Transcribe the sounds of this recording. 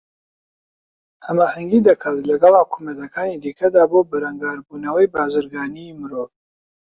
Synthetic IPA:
hɐmaːhɐŋɡid̪ɐkʰɐwt̪lɐɡɑlˠhʊkʰuːmɐt̪ɐkaːnid̪iːkʰɐd̪aːboːbɐɾɐŋɡaːɾbuːnɐwɐjbaːzɨɾɡaːnimɨɾov

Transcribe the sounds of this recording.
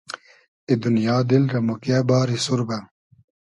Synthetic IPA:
id̪unjaːd̪ilɾɐmokabaːɾisuɾba

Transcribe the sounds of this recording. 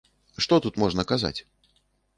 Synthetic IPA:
ʂt̪ɔt̪ut̪mɔʐnɐkaza̰t͡sʲ

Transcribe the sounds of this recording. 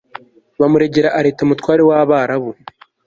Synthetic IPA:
βamuɾe̞ɟe̞ɾaʔaɾe̞ːtamutwaːɾe̞waβaːɾaβu

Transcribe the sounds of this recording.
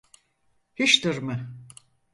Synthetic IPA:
hiʃt̪ɯɾmɯ

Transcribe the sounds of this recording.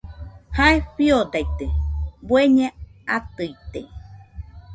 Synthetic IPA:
haeɸiod̪ajt̪ebweɲẽat̪ɯit̪ḛ

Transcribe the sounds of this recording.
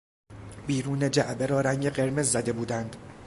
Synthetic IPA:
biːɾuːne̞d͡ʒæʔbeɾɒːɾæŋɟeɢe̞ɾme̞zːæd̪e̞buːd̪ænd̪̥

